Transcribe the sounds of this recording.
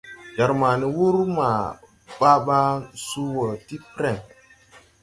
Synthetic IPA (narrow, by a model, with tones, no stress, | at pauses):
d͡ʒa˨ɾma˨ni˨wu˦ɾma˨ | ɓa˦ɓa˦su˦wə˨ti˦pɾɛ˦˨ŋ